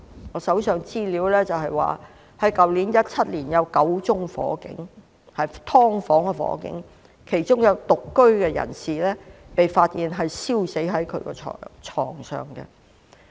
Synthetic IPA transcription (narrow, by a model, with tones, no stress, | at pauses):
ŋɔː˨˧sɐ˨˥wsœː˨˧ŋt͡siː˥liː˨˥wlɛː˥t͡sɐ˨wɦɐ˨jwa̰ː˨ | hɐ˨˥jkɐ˨wliː˨˥njɐ˥t̚t͡sʰɐ˥t̚liː˨˩njɐ˨˧wkɐ˨˥wt͡sʊ˥ŋfɔ̰ː˨˥kɪ̰˨˧˥ŋ | hɐ˨jt̪ʰɔː˥ŋfɔː˨˥ŋkɛ˧fɔ̰ː˨˥kɪ̰˨˥ŋ | kʰe˨˩jt͡ʃʊ˥ŋjɐ˨˧wt̪ʊ˨kːɵ˥ɥkɛː˧jɐ̰˨˩nsiː˨lɛː˥pe˨jfaː˧t̚jiː˨˩nɦɐ˨jsiː˥wse˨˥jɦɐ˨˥jkʰɵ̰˨˧˥ɥkɛ̰ː˧ɔ̰ː˨t͡ʃʰɔ̰ː˨˩ŋsœ̰ː˨˩ŋkɛ̰˧